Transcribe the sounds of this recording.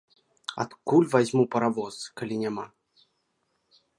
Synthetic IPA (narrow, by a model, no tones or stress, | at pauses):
a̰t̪kulʲvazʲmupɐɾavɔskalʲinʲama̰